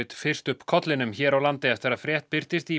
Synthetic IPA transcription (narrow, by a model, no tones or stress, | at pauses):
ɪt̪fɪr̥st̪ʏpkʰɔt̪lɪnʏmçɛːɾawlant̪ɪɛft̪ɪɾaðfɾjɛht̪̚pɪɾ̥t̪ɪst̪i